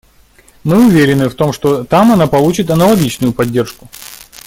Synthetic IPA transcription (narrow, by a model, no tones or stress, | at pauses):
mɨʊvʲeɾʲɪnːɨft̪o̞mʂt̪o̞t̪amɐnapɐlˠut͡ɕɪt̪ɐnəlˠɐɡʲit͡ɕnʊjʊpɐdʲːe̞rʂkʊ̥